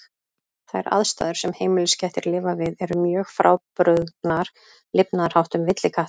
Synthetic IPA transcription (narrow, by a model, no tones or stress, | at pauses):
θaɛɾa̰ðst̪a̰ːðʏɾ̥sɛmheːjmɪlʏscɛjht̪ɪɾlɪːvavɪðɛɾʏmjœːɣfɾa̰ːwpɾʏðnaɾ̥ | lɪpnaðɾ̥hawht̪ʏmvɪt̪lɪkʰaht̪